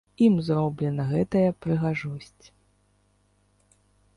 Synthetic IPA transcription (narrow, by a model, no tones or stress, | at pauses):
imzɾɔblʲɛnɐɣɛt̪ɐjɐpɾɨɣaʐɔsʲt͡sʲ